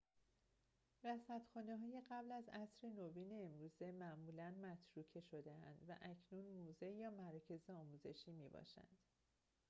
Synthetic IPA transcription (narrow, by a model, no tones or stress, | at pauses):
væsæt̪xɒːneɦɒːje̞ɢæblæzæsɾe̞nobiːne̞ːmɾuːze̞mæʔmuːlænmæt̪ʰɾuːcʰe̞ʃo̞d̪e̞ænd̪̥væ̰ʔæcʰnuːnmuːze̞jɒːmæɾɒːcʰe̞zeɒːmuːze̞ʃiːmiːbɒ̰ːʃæ̰nd̪̥